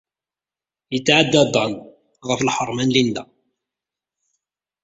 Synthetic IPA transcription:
jət͡sːʕad̪ːæd̪ˤɑn | ʁəflħəɾˤmænlind̪æ̰

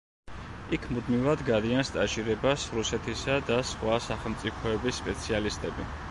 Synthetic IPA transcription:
ikʰmud̪mivad̪ɡad̪ianst̪ʼaʃiɾɛbasɾusɛt̪ʰisad̪asχwasaχɛlˠmt̪sʼipʰɔɛbisːpʼɛt̪sʰialist̪ʼɛbi

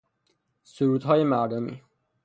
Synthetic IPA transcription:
suɾuːd̪ɦɒːjemæɾd̪omḭː

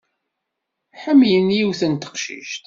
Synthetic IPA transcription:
ħəmːjənjiwθənt̪ə̥qʃḭʃt̪

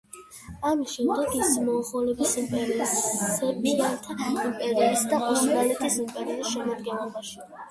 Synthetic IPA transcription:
amisʃɛmd̪ɛɡismɔːχɔlɛbisimpʼɛɾiissɛpʼiɾant̪ʰaimpʼɛɾiisd̪aʔuʃɡalɛt̪ʰisimpʼɛɾiisʃɛmad̪ɡɛnlɔbaʃi̥

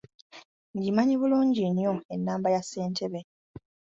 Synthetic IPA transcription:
ŋɡimaɲiβuluːɲɟinjo̞e̞nːaːmbajasːe̞ːntʰe̞βe

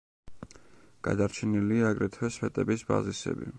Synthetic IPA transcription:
ɡ̥a̰d̪aɾt͡ʃʰɛniliaːɡɾɛt̪ʰwɛspɛt̪ʼɛbisba̰zisɛ̰bi

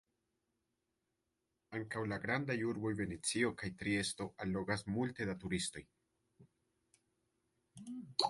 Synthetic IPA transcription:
aŋkawlaɡɾandajuɾbo̞jve̞ne̞t͡sio̞kajtɾie̞sto̞ʔalːo̞ɡasmulte̞datuɾisto̞̰j

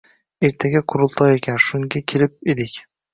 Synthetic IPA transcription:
e̞ɾt̪ʰaɡʲaqʰʊɾʊlˠt̪ʰɒekʲʰanʃʊŋɡʲakʲʰeɾɪp̚ed̪ɪkʲ

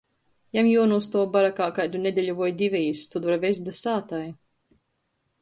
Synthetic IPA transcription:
jamjuɔnust̪ɔːbaɾakaːkajd̪unʲɛd̪ʲɛlʲuvɔjd̪ivʲɛjst̪ud̪vaɾvɛzd̪asaːt̪aj

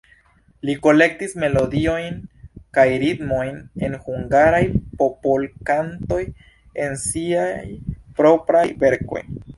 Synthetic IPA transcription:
liko̞le̞k̚tisme̞lo̞dio̞jnkajɾitmo̞jne̞nhuŋɡaɾajpo̞polkanto̞j | e̞nsiajpɾo̞pɾajve̞ɾko̞̰j

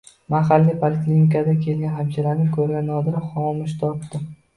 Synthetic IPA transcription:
maɦalːijpʰolɪkʲlʲinɪkʰad̪akʲʰe̞lɡʲanɦabd͡ʒalaɾnɪkʰɵɾɡʲanɒd̪ɪχɒmɪʃt̪ʰɒp̚t̪ɪ

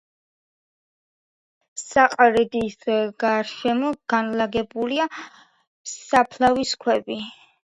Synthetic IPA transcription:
saqʼɾɛd̪isɡ̥aɾʃɛmɔɡ̥anlaɡɛbulia | sapʰlaviskʰwɛbi

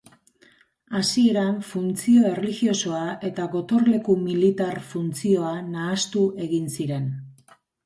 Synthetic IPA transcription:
asie̞ɾaɱfunt͡sio̞e̞relixio̞so̞aʔe̞t̪aɣo̞t̪o̞ɾle̞kumilit̪aɾfunt͡sio̞anaːst̪uʔe̞ɣinsiɾe̞n

